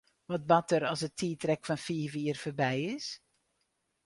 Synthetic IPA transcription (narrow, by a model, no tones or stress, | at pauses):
ʋɑt̚bɑtəɾɑlˠsətʰiːtrɛkfɑnfiːviərfərbɛjɪs